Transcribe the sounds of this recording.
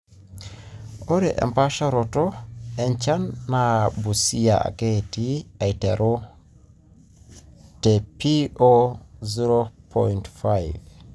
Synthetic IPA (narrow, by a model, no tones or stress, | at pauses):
oɾɛʔḛmpaʃaɾotoent͡ʃanːabusija̰a̰ɡetiajteɾo | tepioziɾopʰojntfajv